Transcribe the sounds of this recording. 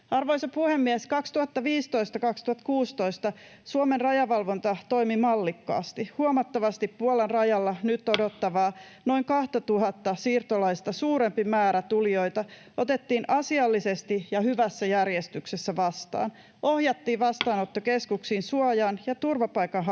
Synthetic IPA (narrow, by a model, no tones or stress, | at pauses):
ɑrʋoisɑpuhemːieskɑkst̪uhɑt̪ːɑʋiːst̪o̞ist̪ɑkɑkst̪uhɑt̪kuːst̪o̞ist̪ɑ | suomenrrɑjɑʋɑlʋo̞nt̪ɑt̪o̞jmimɑlːikːɑ̰ːst̪ihuomɑt̪ːɑʋɑst̪ippuolenrɑjɑlːɑnyt̪ːodot̪ːɑʋɑː | no̞iŋkɑht̪ɑt̪uɦɑt̪ːɑsiːrt̪olɑist̪ɑsuːɾempimæːɾæt̪uljo̞jt̪ɑ | o̞t̪e̞t̪ːiːnʔɑsiɑlːisest̪ijɑhyʋæsːæjærjest̪yksesːæʋɑst̪ɑ̰ːn | ʔo̞hjɑt̪ːiːʋɑst̪ɑːnot̪ːokeskuksiːnsuojɑnjɑt̪urʋɑpɑjkɑnɦ